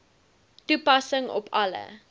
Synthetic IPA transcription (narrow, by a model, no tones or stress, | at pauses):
tupɐsəŋɔ̰pʰɐlə̰